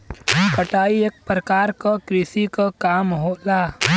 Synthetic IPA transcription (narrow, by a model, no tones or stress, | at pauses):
kəʈaːieːk̚pɾəkaːɾkakɾɪsikakaːmɦoːlaː